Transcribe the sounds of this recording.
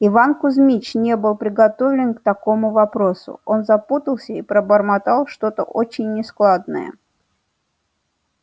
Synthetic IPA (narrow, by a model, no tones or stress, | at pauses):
ɪvankʊzmʲit͡ɕnʲe̞bɨlˠpɾʲɪɡɐt̪o̞vlʲɪnkt̪ɐko̞mʊvɐpɾo̞sʊ̰o̞nzɐput̪əlˠsʲəipɾəbərmat̪alˠʂt̪o̞t̪ə̰ʔot͡ɕɪnʲːɪsklˠad̪nə̰jə̰